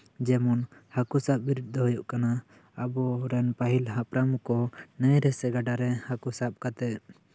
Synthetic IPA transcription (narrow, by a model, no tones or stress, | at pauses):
d͡ʒɛmɔnhakusap̚biɾud̪̚d̪ɔɦɔjɔʔkana | abɔɾɛnpaɦilɦapɾamukɔnəjɾɛsɛɡaɖaɾɛhakusap̚kat̪ɛ